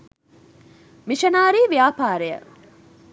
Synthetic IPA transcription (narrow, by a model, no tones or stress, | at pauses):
miʃɐnaːɾiːʋijaːpaːɾejə̰